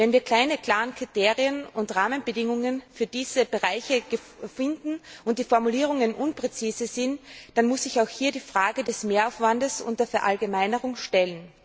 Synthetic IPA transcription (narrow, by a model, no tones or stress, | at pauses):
vɛnviːɐkʰl̥aɪnəkl̥aːʁənkʁ̥iteːʁiənʊntʁaːmənbədɪŋʊŋənfyːɐdiːz̥əbəʁaɪçəɡ̥əfɪndn̩ʔʊnt̚d̥iːfɔɐmuliːʁ̞ʊŋənʔʊnpʁ̥et͡siːzəzɪntd̥anmʊsɪçaʊxhiːɐdiːfʁ̥aːɡədɛsmeːɐaʊfv̥andəsʔʊ̰ntɐfɛɐʔalɡəmaɪnəʁʊŋʃtɛlən